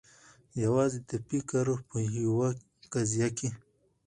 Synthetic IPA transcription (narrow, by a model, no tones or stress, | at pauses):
jawɑzet̪apikaɾopəɦiwa | kazijake